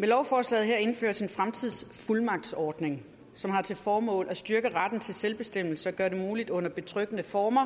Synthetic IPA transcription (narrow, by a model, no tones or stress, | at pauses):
melɒʊfɒːslɛ̰ːð̩ˠɦeɐe̝nfø̰ːɐsenfʁamt͡sʰið̰ˠsfulmɑ̈ɡ̥̚d̥sɒːd̥ne̝ŋ | sɒ̽mhɑ̈t͡sʰe̝lfɒːmɔ̰̽ːlæsd̥yɐɡ̥əʁad̥n̩t͡sʰe̝lselb̥e̝sd̥em̰l̩səɒɡ̥ɶɐde̝muːlid̥ɔ̽n̰ɐb̥e̝t͡sʰʁœɡ̥ənəfɒːmɐ